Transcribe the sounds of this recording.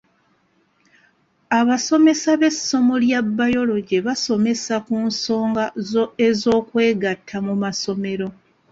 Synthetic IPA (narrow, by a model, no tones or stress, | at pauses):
aβaso̞me̞saβe̞sːo̞moljabːajo̞lo̞ɟeβaso̞me̞sakunso̞ːŋɡaezo̞ːkwe̞ːɡatʰːamumaso̞me̞ɾo̞